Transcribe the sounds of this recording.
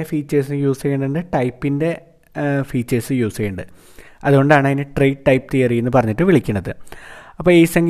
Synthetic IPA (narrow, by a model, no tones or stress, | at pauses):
efiːt͡ɕːeːs̬ɨjuːsɐkeɳɖɨɳɖɨʈɐjpːinde̞ | fiːt͡ɕːesɨjuːsɐeːɳɖɨ | ɐðuɣo̞ɳɖaːɳɐinɨʈrejɖʈːɐjp̚t̪iːjɐrijːunːɨpɐrɐɲːiʈːɨʋiɭikʲːuɳːɐðɨ̰ɐpːoːiːsɐŋɡ